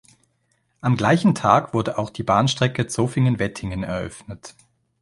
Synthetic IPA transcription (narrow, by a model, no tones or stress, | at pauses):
ʔamɡlaɪçn̩tʰaːkv̥ʊɐdəʔaʊxd̥iːbaːnʃtʁ̥ɛkət͡soːfɪŋənvɛtʰɪŋənɛ̰ɐʔœ̰fnət